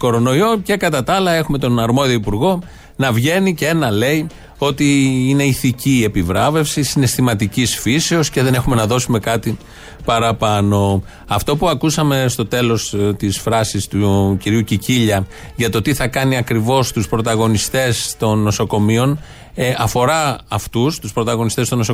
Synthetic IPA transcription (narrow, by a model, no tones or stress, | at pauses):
ko̞ɾo̞no̞io̞ce̞kɐt̪ɐt̪ɐɐlɐe̞xume̞t̪o̞nɐɾmo̞ðio̞ipuɾɣo̞ | nɐvʝe̞nicee̞nɐle̞i | o̞t̪iine̞iθicie̞pivɾɐve̞fsisine̞st̪imɐt̪icisfiseosce̞ðe̞ne̞xume̞nɐðo̞sume̞kɐt̪i | pɐɾɐpɐno̞ | ɐft̪o̞puɐkusɐme̞st̪o̞t̪e̞lo̞st̪isfɾɐsist̪uciɾiuciciʎɐ | ʝɐt̪o̞t̪iθɐkɐniɐkɾivo̞st̪uspɾo̞t̪ɐɣo̞nist̪e̞st̪o̞nːo̞so̞ko̞mio̞n | ɐfo̞ɾɐːft̪ust̪uspɾo̞t̪ɐɣo̞nist̪est̪o̞noso